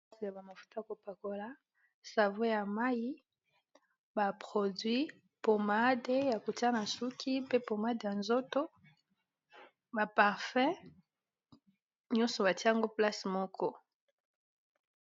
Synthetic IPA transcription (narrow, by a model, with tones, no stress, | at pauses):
si˨a˨ba˨ma˨fu̥˦ta˦ja˨ko˨pa˨ko˨la˨ | sa˨vo˦ja˨ma˦ji˦ | ba˨pχo˨dɥi˦ | po˨ma˦de˦ja˨ko˨ti˦a˦na˨su˦kʰi˦pe˦po˨ma˦de˨ja˨nzo˦to˦ | ba˨pa˨ʁfɛ̃˦ | ɲɔ̃˦nsɔ˨ba˨ti˦˨ŋɡo˦pla˦si˨mɔ˦kʰɔ˦